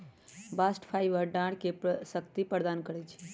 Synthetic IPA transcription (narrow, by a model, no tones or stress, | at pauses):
baːsʈpʰajʋəɾɖãːɽkepsəkt̪ipəɾd̪aːnkəɾɛt͡ʃʰ